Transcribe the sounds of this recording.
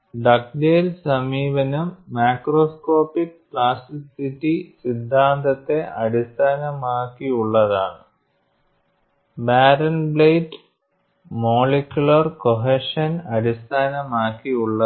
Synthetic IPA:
ɖɐk̚deːlsɐmiːʋɐnumːaːkro̞ːsko̞ːpːikkɭaːsisitːisid̪ʱːaːnd̪ɐt̪ːe̞ʔɐɾist̪ʰaːnɐmaːkːiuɭːɐðaːɳɨ | baːɾɐnblejʈ | mo̞ːɭekʲːjuɭɐrkoɦeʂɐnɐɾist̪ʰaːnɐmaːkːiuɭːɐ

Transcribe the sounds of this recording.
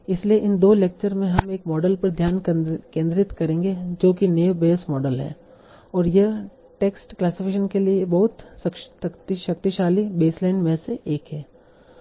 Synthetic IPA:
ɪslieʔɪnd̪oːleːk̚t͡ʃəɾmẽɦɐmeːkmɔːɖəlpɐɾd̪ʱjaːnkẽːnd̪ɾɪt̪kɐɾẽːŋɡed͡ʒoːkineːʋbeːsmɔːɖəlɦɛ̰̃ː | ɔːɾjɐ | ʈeːksʈklaːsɪpʰɪkʃənkeliebɐɦʊt̪sɐkʃt̪ɐkt̪iʃɐk̚t̪iʃaːlibeːslaːɪnmẽseʔeːkɦɛː

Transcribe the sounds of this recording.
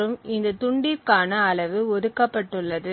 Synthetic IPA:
ɾɯmɪnd̪ɐt̪ʊɳɖɪkaːnɐːlɐʋɯɔðɯkːɐpːɐʈːɯɭːɐðɯ

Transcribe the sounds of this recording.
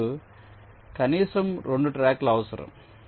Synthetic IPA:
ɯ | kɐniːsɐmɾɔɳɖɯʈɾaːkːlɐʋɐsɐɾɐ̰m

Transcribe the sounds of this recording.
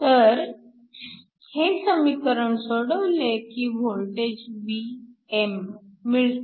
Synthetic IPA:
t̪əɾ | hesəmikəɾəɳsoɽəʋlekiːbʱolʈed͡ʑbiemːiɭt̪

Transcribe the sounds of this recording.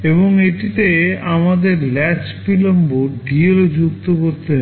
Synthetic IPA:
eβoŋeʈit̪eamad̪eɾlɛt͡ɕpilomboɖielod͡ʑukt̪okoɾt̪eɦ

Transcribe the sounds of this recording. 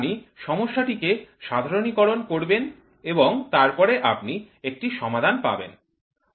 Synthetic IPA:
niʃɔmoʃːaʈikeʃad̪ʱaɾonikɔɾonkoɾben | eboŋt̪aɾpɔɾeʔa̰pni | ek̚ʈiʃɔmad̪ʱanpa̰bḛn

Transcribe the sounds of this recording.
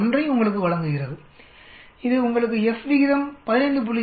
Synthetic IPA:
ndrɐɪʊŋɡɐɭɯkːɯʋɐɭɐŋɡɯɣɪrɐðɯ | ɪðɯʊŋɡɐɭɯk̬ːɯɛsʋɪɣɪðɐmpɐðɪnɐɪnd̪ɯp̬ʊlːɪ

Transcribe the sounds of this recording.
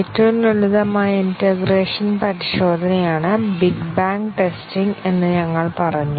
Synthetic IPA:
etːɐʋumuɭuðɐmaːjɐinteɡreːʂɐnpɐɾiɕo̞ːd̪ʱɐnɐjaːɳɨbiɡbaːŋkʈe̞stiŋɡe̞nːɨɲɐŋːɐɭpɐrɐɲːu

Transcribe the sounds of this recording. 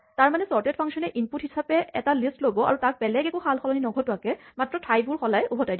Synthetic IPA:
taɹmanɛsɔɹtetpʰaŋksɔnɛʔinputhisapɛɛtalistlobɔa̰ɹutak̚bɛlɛɡɛkuxalxɔlɔninɔɡʱɔtʊakɛmatɹɔtʰajbuɹxɔlajubʱɔtajdi

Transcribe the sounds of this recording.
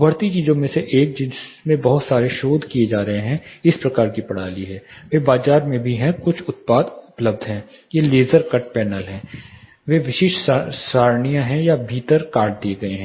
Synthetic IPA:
bʱɐɾt̪it͡ʃiːzõmẽseʔeːk̚d͡ʒɪsmẽbɐɦʊt̪saːɾeʃoːd̪ʱkijed͡ʒaːɾɐɦeɦɛ̃ɪspɾɐkaːɾkipɐɽ̤aːliɦɛːʋeːbaːzaːɾmẽbʱiɦɛ̃kʊt͡ʃʰʊt̪̚paːd̪ʊpləbd̪ʱɦɛ̃ː | jeːleːzəɾkɐʈ̚pɛːnəlɦɛ̃ː | ʋeʋɪʃɪʃsaːɾɳijãɦɛ̃jabʱiːt̪əɾkaːɾʈ̚d̪ieɡɐeɦɛ̃

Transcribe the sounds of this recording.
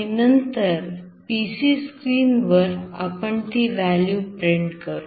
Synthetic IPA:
inənt̪əɾ | pisiskɾiːnʋəɾa̰pəɳt̪iːʋæljupɾeɳɖkəɾu

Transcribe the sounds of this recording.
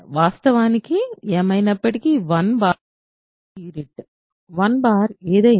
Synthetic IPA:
ʋaːst̪ɐʋaːnikːɯɛmɐjnɐpːɐʈikːiʋɐnbaː | iːɾiʈ | ʋɐnbaːɾeːðeː

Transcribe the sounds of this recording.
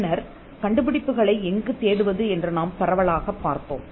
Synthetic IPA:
nɐɾ | kɐɳɖɯpɪɽɪpːɯɣɐɭɐɪɛŋɡɯt̪eːɽɯʋɐðɯɛndrɯnaːmpɐɾɐʋɐɭaːɣɐpːaːɾt̪o̰ːm

